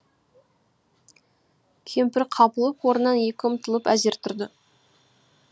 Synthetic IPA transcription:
kʲʰe̞mpɪɾqʰɑpəlˠəpwoɾənːɑnje̞kʲɪʊmt̪ʰəlˠəpæze̞ɾt̪ʰʊɾd̪ə

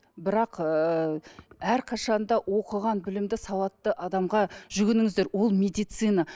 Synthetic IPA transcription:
bɪɾɑq | æɾqʰɑʃɑnd̪ɑwʔo̞qəʁɑnbɪlɪmd̪ɪsɑw̪ˠɑt̪ːəʔɑd̪ɑmʁɑʒʏɡʲɪnɪŋɪzd̪e̞ɾwo̞lˠmʲed̪ijt̪sɨjnɑ

